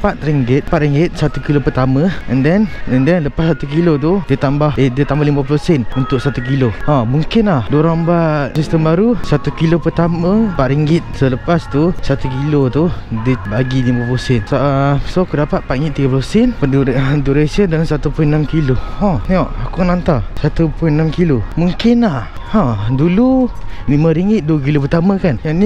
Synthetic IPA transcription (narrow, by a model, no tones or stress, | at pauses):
pat̪̚ɾiŋɡɪt̪̚pat̪̚ɾiŋɡɪt̪̚sat̪ukilopərt̪aməɛndɛnɛndɛnləpasat̪uk̬ilot̪̬udət̪ambahedət̪ambahlimbaplosɛnunt̪ʊʔ̚sat̪ukiloamuŋkɪnlahduɾambat̪̚sist̪əmbaɾusat̪ukilopərt̪amə̃paʔ̪ɾiŋɡɪt̪̚sələpast̪usat̪ukilot̪udibaɡilimãposɛnsaʔsoakudapat̪̚paʔiŋɪt̪̚ːiɡapləsɛnpəuduɾesiəndaŋnsat̪upʊjnamkilohɔ̃niɔʔakunant̪asat̪upʊjnamkilomuŋkɪnlah | ãdululimãɾiŋɡɪt̪̚duək̬ilopərt̪amãkanjani